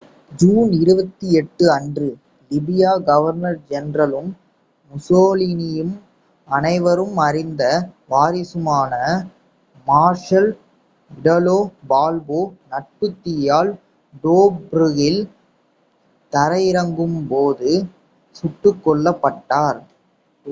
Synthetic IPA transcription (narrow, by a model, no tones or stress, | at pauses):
d͡ʒuːnɪɾɯbɐt̪ːiɛʈːɯɐndrɯ | lɪbɪjaːɡɐʋɐɾnɐɾd͡ʒɛnrɐlɯmː | ʊsoːlinɪjɯm | ɐnɐɪʋɐɾɯmɐɾɪnd̪ɐʋaːɾɪsɯmaːnɐ | maːɾʂɐl | ɪɽɐloːbaːlboːnɐʈ̚pɯt̪ːɪjaːl | ɖoːbɾɯɣɪl | t̪ɐɾɐjɪɾɐŋɡɯmpoːðɯ | sʊʈːɯkːɔɭːɐpːɐʈːaːɾ